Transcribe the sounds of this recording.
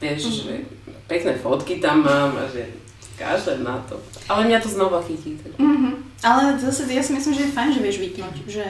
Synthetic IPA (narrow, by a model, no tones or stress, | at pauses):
vɛʃʒɛ̰pɛknɛfɔt̪kit̪amːama̰ʒɛ̰ | ka̰ʒd̪ɛnat̪ɔ̰alɛɲɛɛt̪ɔznɔvakit̪it̪ɛl̩ɦ̩ | ɛlˠɐd̪esɐvɛsmesmʒɛfɐ̃ʒɛvɛʒbikit̪uʒɛ